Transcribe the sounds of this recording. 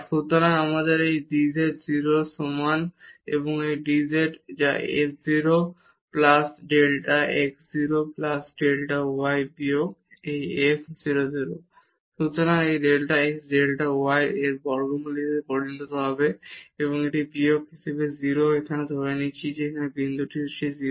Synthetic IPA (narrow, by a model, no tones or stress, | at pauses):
ʃut̪oɾaŋamad̪eɾejɖid͡ʑeʈziɾosumanḛβoŋejɖizeʈd͡ʑaḛkziɾo | plasɖelʈaʔekziɾoplasɖelʈauajbioejekʰziɾoziɾo | ʃut̪oɾaŋejɾelʈaeksɖelʈaoajeɾbɔɾɡomuliepoɾont̪ot̪oɦɔbeeβoŋeʈibiokɦisebeziɾoekʰaned̪ʱoɾenit͡ɕʰid͡ʑeekʰanebind̪ʱuʈʰioʃʰizi